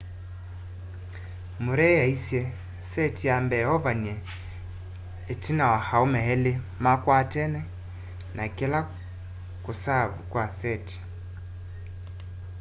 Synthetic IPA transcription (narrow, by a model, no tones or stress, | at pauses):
muɾɛjaisjɛ | sɛtijambɛɔβaɲe | tinawahaomɛɦɛle | makwatɛnɛ | nakela | kusaβukwasɛti̥